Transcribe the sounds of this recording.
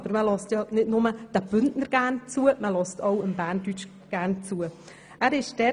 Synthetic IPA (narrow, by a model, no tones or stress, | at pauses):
b̥əɾməlɑstjɑnɪdnʊməd̥əb̥ʏndnəɾɡ̥æːnt͡suəməlɔstoʊəmbæːntyt͡ʃ | ɡ̥æːɾnt͡suə | ʔæːɾɪʃdɛ